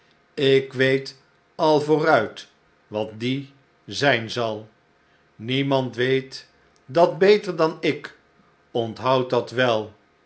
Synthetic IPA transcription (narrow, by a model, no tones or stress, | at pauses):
ɪkʋejt | ɑlˠvʊːrœɥt | ʋɑt̚di | zɛjnzɑlˠ | nimɑntʋejt | dɑd̚bejtəɹdɑnɪk | ɔntɦɑwtdɑtʋɛlˠ